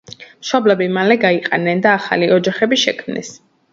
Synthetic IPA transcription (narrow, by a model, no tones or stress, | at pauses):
mʃɔblɛbimalɛɡaiqʼɛnɛnd̪aːχa̰liɔd͡ʒaχɛbiʃɛ̰kʰmnɛ̰s